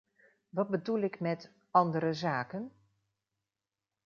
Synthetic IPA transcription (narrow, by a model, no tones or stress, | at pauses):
ʋɑd̚bədulɪkmɛt | ɑndəɾəzaːkən